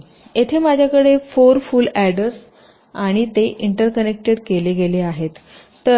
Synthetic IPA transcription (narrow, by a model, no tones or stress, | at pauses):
et̪ʰemad͡ʑʱjakəɽefoɾfulæɽəɾs | aɽ̃it̪eʔiɳʈəɾkənek̚ʈeɽkeleɡeleaɦet̪ː | ə